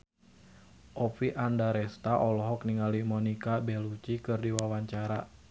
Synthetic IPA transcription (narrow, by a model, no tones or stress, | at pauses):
ʔɔfiʔandaɾɛst̪aʔɔlɔɦɔkniŋalimɔnikabɛlut͡ʃikɨrdiwawaɲt͡ʃaɾa